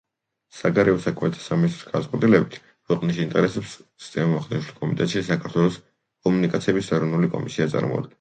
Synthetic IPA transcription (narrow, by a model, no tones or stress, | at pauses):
saɡaɾɛɔsakʰmɛt̪ʰḁsaminist̪ɾɔsɡad̪at̪sʼqʼwɛt̪ʼilɛbit̪ʰ | kʰwɛqʼniʃint̪ʼɛɾɛsɛpst̪sʼɛmaχd̪ɛnʃlikʼɔmit̪ʼɛ̰t̪ʃisakʰaɾt̪ʰwɛlˠɔs | kʼɔmunikʼat̪sʰiɛbisɛɾɔvnulikʼɔ̰misiat̪sʼa̰ɾmɔ̰a̰d̪ɡɛn